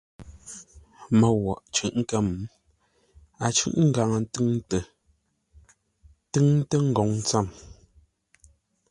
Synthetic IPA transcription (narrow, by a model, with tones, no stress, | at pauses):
mə˨wɔ˨ʔt͡ʃʉ˨ʔŋ̩˦kə˦m˨ | a˨t͡ʃʉ̰˦ʔŋ̩˦ɡa˨ŋə˨n˦tɨ˦ŋ˦tə˨ | tɨ˦ŋ˦tə˦ŋ̩˦˨ɡɔ˨ŋ˦t͡sa˦˨m